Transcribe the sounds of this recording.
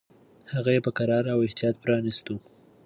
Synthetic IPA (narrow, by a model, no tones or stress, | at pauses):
haɣajepəkaɾɑɾawɪht̪ijɑt̪̚pɾɑnist̪u